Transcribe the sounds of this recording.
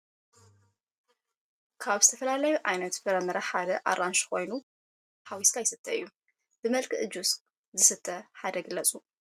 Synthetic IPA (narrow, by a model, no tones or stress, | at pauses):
kʰaβzɨt̪ʰɐfɐlalɐjuʕajnɐt̪fɨɾɐmɨɾɐħad̪ɐʔa̰ɾanʃkʰo̞jnu | ħawiskʰajɪsɨt̪ʰːɐɨjːu | b̥ɨmɐlkʰɨʔɨd͡ʒus | zɨsɨt̪ʰːɐħad̪ɐɡɨlːɐt͡sʼu